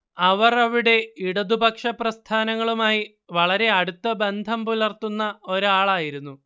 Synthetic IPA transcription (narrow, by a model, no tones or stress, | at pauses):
ɐʋɐrɐʋiɽe̞iɽɐd̪ubɐkʂɐprɐst̪ʰaːnɐŋːɐɭumaːji | ʋɐɭɐɾe̞ɐɽut̪ːɐbe̞nd̪ʱɐmpulɐrt̪ːunːɐo̞ɾaːɭaːjiɾunːu